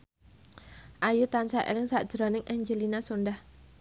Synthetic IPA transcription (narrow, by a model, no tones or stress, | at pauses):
ʔajut̪ansaʔḛlɪŋsaʔd̥ʒ̥ɾɔnɪŋʔɛɲd͡ʒəlinasundah